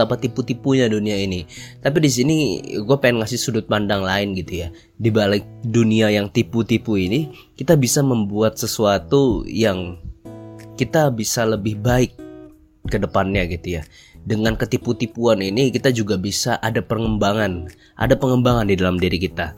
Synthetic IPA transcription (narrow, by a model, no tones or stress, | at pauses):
apat̪iput̪ipuɲaduniainit̪ap̬idis̬iniɡuapaɛnŋasɪsudʊt̪̚pandaŋlaɪnɡit̪uja | dibalɪk̚duniajaŋt̪iput̪ipuini | kit̪abisaməmbuat̪̚səsuat̪ujaŋ | kit̪abisaləbɪhbaɪk̚ː | ədəpanɲaɡit̪uja | dəŋankət̪iput̪ipuaninikit̪ad͡ʒuɡabisaʔadapərŋəmbaŋan | ʔa̰dapəŋəmbaŋandidalamdiɾikit̪a